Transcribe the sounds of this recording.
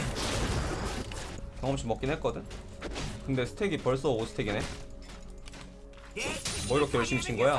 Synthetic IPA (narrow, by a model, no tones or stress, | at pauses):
t͡ɕjʌŋʌmɕ͈imʌk͈inɦet̚k͈ʌdɯn | kɯnde̞sʰɯ̥tʰe̞ɡipʌɭs̬͈ʌosʰɯ̥tʰe̞ɡine | mʌiɾʌkʰejʌɭɕ͈ʰimt͡ɕʰinɡʌja